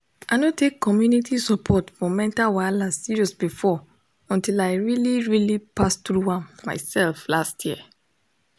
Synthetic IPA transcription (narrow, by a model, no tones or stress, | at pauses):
aɪnotekʰːɔmjunitʰisɔpʰɔtfɔmɛ̃ntawalazsiɹiɔsbifɔ | ɔ̃ntilaɪɹiliɹilipastɹuhãmːa̰ɪsɛlflastʰjiə